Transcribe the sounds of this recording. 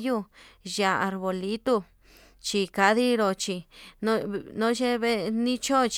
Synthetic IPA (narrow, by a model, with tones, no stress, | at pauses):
ju˦ja˧a˨˧ɾβo˨li˦t̪u˦ | t͡ʃi˧ka˧ði˦ɾo˧t͡ʃi˧nõ˦nõ˦ʃe˦βe˦nĩ˦t͡ʃo˦˨˧t͡ʃ